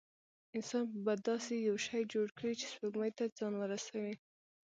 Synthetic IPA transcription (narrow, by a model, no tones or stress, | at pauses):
ɪnsɑnpəbad̪ɑsejawʃɑjd͡ʒoɽkɽit͡ʃe̥spoɡməjt̪ad͡zɑnlaɾasawi